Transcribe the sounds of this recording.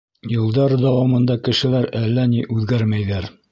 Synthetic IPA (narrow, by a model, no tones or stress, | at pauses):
jɤ̆lˠd̪ɑɾd̪æwɑmɤ̆nd̪ɑkɘ̆ʃɘ̆læɾælːæniʔʉðɡæɾmæjðæɾ